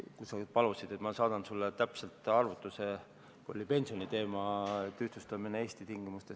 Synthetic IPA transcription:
kusɑɡid̪̚pɑlusid̪̥e̞t̪mɑsɑːd̪̥ɑnsulːet̪æpse̞lt̪ˑɑrvut̪ːˑuse | kuolʲipe̞nʲsio̞nit̪e̞ːmɑet̪ːyht̪ust̪ɑminee̞ːst̪it̪iŋɡimust̪e

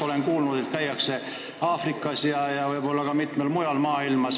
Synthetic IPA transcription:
o̞le̞nkuːlnud̪̥et̪kæjːɑkse̞ | ɑːfrikːˑɑsjɑjɑvɤjbo̞lːɑkɑmit̪ˑmelmujɑlmɑːilmɑs

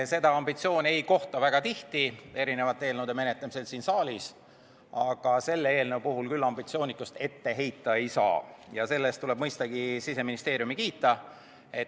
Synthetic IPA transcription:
se̞d̪̥ɑɑmbit̪sio̞ːnʲe̞jko̞ht̪ɑvæɡ̥ɑt̪iht̪ie̞ɾine̞vɑt̪ːeːlned̪̥eme̞net̪ːˑɑmise̞lt̪siːnsɑːlʲis | ɑɡ̥ɑse̞lːeeːlnewpuɦulkylːɑmbit̪sio̞ːnikːˑust̪e̞t̪ːe̞ɦe̞jt̪ːˑɑe̞jsɑ̰ːjɑse̞lːest̪ule̞b̥mɤjst̪ɑɡ̥isise̞minist̪eːɾjumikiːt̪ːˑɑ | et

